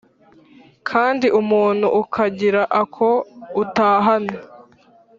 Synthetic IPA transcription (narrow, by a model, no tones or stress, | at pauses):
kʰaːndiʔumuːn̥hṵʔːkʰaɟiɾaʔakʰo̞utaːɦano